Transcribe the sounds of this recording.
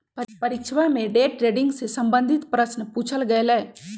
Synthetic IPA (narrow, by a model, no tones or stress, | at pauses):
pɐpɐɾikt͡ʃʰʋaːmeːɖeːʈɾeɖiŋɡssɐmbɐnd̪ʱit̪ɐpɾɐsnɐpuːt͡ʃɐlɡɐjleː